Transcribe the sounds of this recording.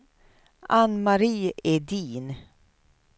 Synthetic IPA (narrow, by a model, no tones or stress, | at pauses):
anmaɾiːed̪iːn